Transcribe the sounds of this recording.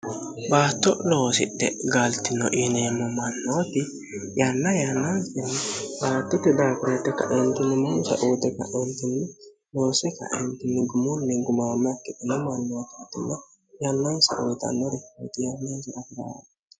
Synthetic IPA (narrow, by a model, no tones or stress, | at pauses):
baːt̪ːɔlo̞ːsɪɗːɛ̰ɡalt̪ːɪnːɔʔinɛjɛmːɔmɐnːoːt̪ɪ | janːɐjanːɐnsɪnːɪbaːt̪ːɪt̪ːɛd̪aːkɪɾɐt̪ːɛkːɐ̰ʔɛnt̪ɪnːɪmɔnsɐ̰ʔuːd̪ɛkːɐ̰ɛnt̪ːɪnːɪ | lo̞ːsɛkːɐ̰ʔɛ̰nt̪ɪnːɪɡʊmʊnːɛɡʊmaːmːkːɪt̪ɪnːɛmɐnːɔkɛt̪ːɪnːɛ | janːɐnsɐ̰ʔɔjt̪ɐ̰nːɔɾɛkot̪ɪjanːɐsɐɐfɪɾa̰ː